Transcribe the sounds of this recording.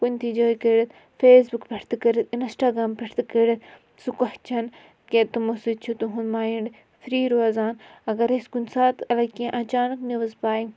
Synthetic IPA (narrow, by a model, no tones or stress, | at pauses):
kunʲt̪ʰid͡ʒoːikeɾit̪ | feːsbukpʲɐʈʰt̪kɐɾit̪insʈaːɡɾaːmpʲɐʈʰt̪keɽit̪ | sukɐht͡ʃʰɐn | ket̪umosit͡ʃʰut̪uɦunmaːiɳɖ | fɾiːɾozaːnɐɡɐɾeskunʲsaːt̪ɐlɐkiẽʔɐt͡ʃaːnɐkniʋɐzpaːji